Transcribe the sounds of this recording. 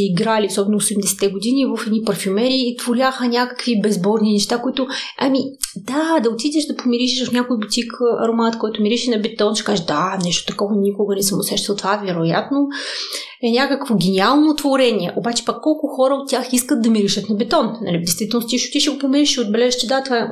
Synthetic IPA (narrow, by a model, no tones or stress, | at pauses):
ɛiɡɾaliosɔbɛnoːsɛɛmd̪ɛsɛ̥t̪ɛɡʊd̪inivəfɛd̪nipɐɾfʲymɛɾiːt̪voɾʲaxənʲakɐ̥kvibɛzbɔɾninɛʃt̪akoit̪ʊʔamid̪̥ad̪ɐot̪id̪ɛʃd̪ɐpomiɾiʃɛʃvɐfnʲakojbot̪ikʰɐ̰ɾomat̪kɔjt̪ʊmiɾiʃɛnɐbɛt̪ɔnʃɛ̥kaziʒd̪anɛʃt̪o̥t̪ɐkɔvɐnikʊɡɐnɛsəmosɛʃt̪ɐlˠt̪ovavɛɾoja̰t̪no | ɛnʲakəkvoɡʲɛnʲialˠnot̪voɾɛnʲiɛʔobat͡ʃɛ̥pɐkːɔlˠkʊxɔɾəot̪ʲːjaxiskət̪̚d̪ɐmiɾiʃət̪nɐbɛt̪ɔnnɐ̰lʲid̪ɛjst̪vit̪ɛlnst̪iʃot̪iʃɛɡopomiɾiʃiod̪̚bɛlɛʒɛʃt͡ʃɛd̪at̪vaɛ